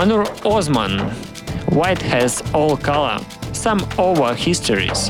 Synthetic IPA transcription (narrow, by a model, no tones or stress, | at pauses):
anuɹɔzmə̰̃n | wajt̪hɛzɔlˠkalˠə̰˞sãmovə˞hɪstʰəɹḭz̥